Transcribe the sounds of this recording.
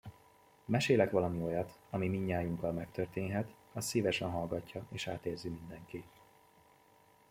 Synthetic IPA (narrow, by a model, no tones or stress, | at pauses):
mɛʃeːlɛkʋɒlɒmio̞jɒt̪ɒmimiɲːaːjuŋkɒlmɛkt̪ørt̪eːnɦɛt̪ | ɒssiːvɛʃɛnɦɒlɡɒcːɒeːʃaːt̪eːrzimind̪ɛŋki